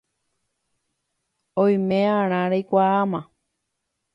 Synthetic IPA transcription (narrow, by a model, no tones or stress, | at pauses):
õj̃mẽãɾ̃ãɾejkʷaamã